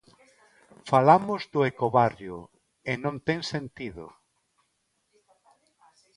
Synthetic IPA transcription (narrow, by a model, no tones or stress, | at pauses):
falamʊzd̪ʊekoβarjʊ | enõnt̪eŋsent̪iðʊ̰